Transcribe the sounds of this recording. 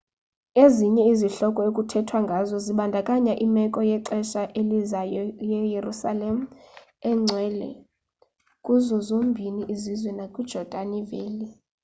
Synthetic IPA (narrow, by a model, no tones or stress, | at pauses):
eziɲɛiziɬɔkʼɔekʼutʰɛtʰwaŋɡʱazɔziɓandʱakʼaɲaʔimɛkʼɔjɛǀɛʃaʔelizajɔjɛjerusalem̩ | ɛŋ͡ǀʱwɛːlɛ̰ | kʼuzɔzombʱiniʔizizwɛnakʼud̥d͡ʒ̥ʱɔd̥ʱaniveːli